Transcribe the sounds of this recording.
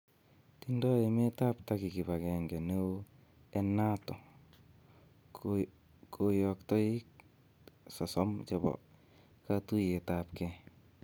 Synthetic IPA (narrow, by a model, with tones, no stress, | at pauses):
tindɔ˦eme˦ta˦ptaki˨ki˨ba˨kɛŋɡɛ˨ne˦o˦ | ɛ˦na˦tɔ˨ | kʰo˨jɔ˨k̚tɔ˦i˦k | sɔ˨sɔ˦mt͡ʃɔbɔ̰˨ | katu˦je˨tapkɛ˦